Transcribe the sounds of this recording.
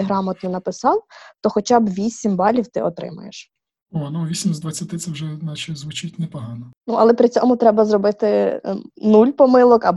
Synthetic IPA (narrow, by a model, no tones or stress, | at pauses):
ɦɾɑmɐt̪nɔnɐpɪsɑwt̪ɔxɔt͡ʃɑbʋʲisʲimbɑlʲiwt̪ɪ̰ɔt̪ɾɪ̰mʊ̰jeʃ | onuʋʲisʲimʲzd̪ʋɐt͡sʲːɐt̪ɪt̪sɛwʒɛnɑt͡ʃɪzʋʊt͡ʃɪtʲnɛpɔɦɑnɔnuʔɐlˠɛpɾɪt͡sʲɔmʊt̪ɾɛbɐzrɔbɪt̪ɪ | nulʲpɔmɪlˠɔkɐb